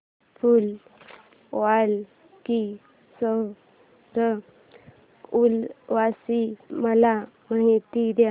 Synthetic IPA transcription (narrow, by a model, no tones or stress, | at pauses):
ful | ʋal | ki | sə | sə | ulʋasiməla | maɦit̪id̪ja